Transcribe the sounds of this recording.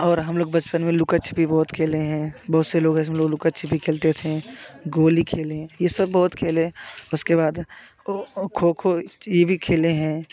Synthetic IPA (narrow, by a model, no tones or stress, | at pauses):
ɔːɾɦɐmloːɡbɐt͡ʃpənmẽlʊkət͡ʃʰbʱibɔːt̪kʰeːleɦɛ̃ːbɔːʊt̪seloːɡɦɛ̃ɪs̬meloːɡlʊkət͡ʃʰbʱikʰeːlt̪et̪ʰẽɡoːlikʰeːlẽjesɐbːɔːʊt̪kʰeːlẽʊskebaːd̪ | kʰoːkʰojebʱikʰeːleɦɛ̃ː